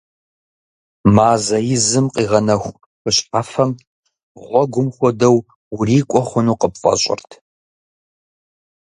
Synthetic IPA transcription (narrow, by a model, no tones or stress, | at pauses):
maːzɐjɪzɨmqiːʁɐnɐxʷ | xɨɕʼħafɐm | ʁʷɔɡʷʊmxʷɔdɐw | wʊriːkʷʼɔχʷʊnuːqəp̚fʼɐ̰ɕʼɪ̰rtʰ